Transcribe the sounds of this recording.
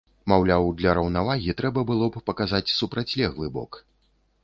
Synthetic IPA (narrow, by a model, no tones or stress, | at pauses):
mawlʲawd̪lʲɐɾɐwnavaɣʲit̪ɾɛbɐbɨlˠɔppɐkazat͡sʲsupɾat͡sʲlʲɛɣlˠɨbɔ̰k